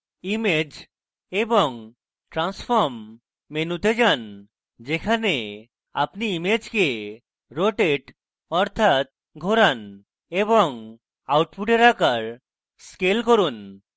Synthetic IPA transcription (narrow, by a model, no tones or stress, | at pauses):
imed͡ʑ | eboŋ | ʈɾansfʰoɾmː | enut̪ed͡ʑan | d͡ʑekʰane | a̰pniimed͡ʑke | ɾoʈeʈ | ɔɾt̪ʰat̪̚ | ɡʱoɾan | eboŋ | awʈpuʈeɾakaɾ | skelkoɾun